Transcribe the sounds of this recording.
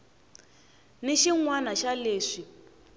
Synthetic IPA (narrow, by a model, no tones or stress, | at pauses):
neʃiŋwanaʃaleːʂi